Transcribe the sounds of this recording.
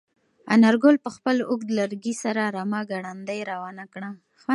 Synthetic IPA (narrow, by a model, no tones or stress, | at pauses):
a̰naɾɡolpəxpəlʊɡd̪laɾɡisaɾaɾamaɡaɽand̪ajɾawɑnakɽa | x